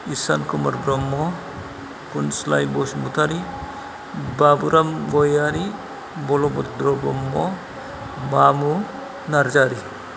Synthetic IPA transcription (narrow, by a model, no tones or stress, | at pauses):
isankumɔɾbɾɔmːɔ | punslajbɔsmut̪ʰaɾi | babuɾamɡɔjaɾi | bɔlɔbɔtd̪ɾɔbɔmːɔ | mamu | naɾd͡ʒaɾi